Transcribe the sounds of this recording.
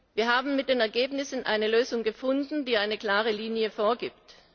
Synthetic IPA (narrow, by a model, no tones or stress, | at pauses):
viːɐɦaːbm̩mɪt̚d̥eːnɛɐɡeːpnɪsn̩ʔa̰ɪnəløːzʊŋɡəfʊndn̩diːʔaɪnəkl̥aːʁəliːnjəfoːɐɡiːpt